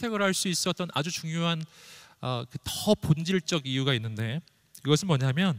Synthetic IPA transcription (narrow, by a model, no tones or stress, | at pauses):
tʰe̞ɡɯɾɦaɭs͈uis͈ʌt̚t͈ʌnʔa̰d͡ʑut͡ɕuŋjoɦanʌkɯtʌpond͡ʑiɭt͡ɕ͈ʌɡijuɡainːɯnde̞ | kiɡʌsʰɯnmwʌɲamjʌn